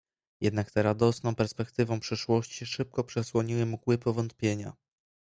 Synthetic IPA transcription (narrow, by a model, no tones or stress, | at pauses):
jɛ̰d̪nakt̪ɛɾad̪ɔsnɔ̃w̃pɛɾspɛkt̪ɘvɔ̃w̃pʂɘʂwɔɕt͡ɕiʂɘp̚kɔpʂɛswɔɲiwɘmuɡwɘpɔvɔnt̪̚pʲjeɲa̰